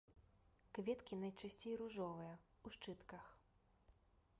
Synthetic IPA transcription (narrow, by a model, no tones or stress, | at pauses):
kvʲɛt̪kʲinɐjt͡ʂasʲt͡sʲejruʐɔvɨjɐ | uʂt͡ʂɨt̪kɐx